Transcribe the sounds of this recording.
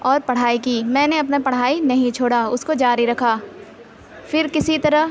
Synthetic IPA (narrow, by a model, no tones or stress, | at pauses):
ɔːɾpɐɽ̤aːikiːmɛ̃ːneɐpnapɐɽ̤ɦaːinɐɦĩt͡ʃʰoːɽaʊskod͡ʒaːɾiɾɐkʰaː | fɪɾkɪsit̪ɐɾəɦ